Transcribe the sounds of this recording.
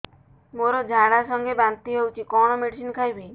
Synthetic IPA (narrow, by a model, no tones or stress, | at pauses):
moɾɔd͡ʒʱaɽasɔŋɡebant̪iɦewt͡ʃʰikɔɽ̃ɔmeɽisinkʰajbʱej